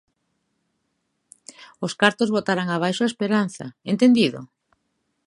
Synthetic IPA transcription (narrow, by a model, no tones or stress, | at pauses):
oskaɾt̪ozβot̪aɾaŋaβ̞ajʃoaespeɾan̟θɐ̰ent̪end̪iðo̰